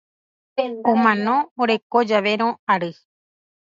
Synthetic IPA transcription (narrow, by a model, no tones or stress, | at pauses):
õmãnõoɾe̞kod͡ʒaʋeɾ̃õaɾɨ